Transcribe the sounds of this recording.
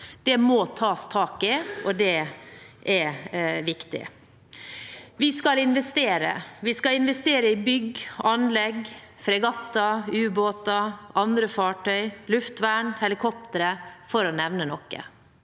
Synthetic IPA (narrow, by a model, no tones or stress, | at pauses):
d̪̥ɛmɔt̪ʰɑːst̪ʰɑːkɪɔd̪ɛʔɛʋɪkt̪ɪ̰ | ʋɪskɑlɪnʋɛst̪eːɾə̰ʋɪskɑɪnʋɛst̪eːɾəɪbʏɡɑnlɛɡ | fɾɛɡɑt̪ːɑʉːboːt̪ɑʔɑnd̪ɾəfɑːʈœʏlʉft̪ʋæɳhɛlɪkʰɔp̚t̪əɾəfɔɾɔnɛʋnənɔkːə̰